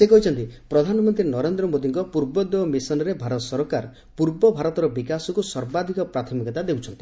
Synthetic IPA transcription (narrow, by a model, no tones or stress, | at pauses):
sekɔɦit͡ʃʰɔnt̪ipɾɔd̪ʱanɔmɔnt̪ɾinɔɾend̪ɾɔmod̪iŋkɔpuɾbɔd̪ewɔmisɔnɔɾebʱaɾɔt̪ɔsɔɾɔkaɾ | puɾbɔbʱaɾɔt̪ɔɾɔbikasɔkusɔɾbad̪ʱikɔpɾat̪ʰɔmikɔt̪ad̪ewt͡ʃʰɔnt̪i̥